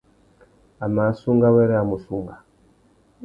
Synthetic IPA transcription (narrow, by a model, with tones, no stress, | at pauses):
a˨ma˨˦su˦ŋɡa˦wɛ˦ɾe˦a˨mu˨su˦ŋɡa˨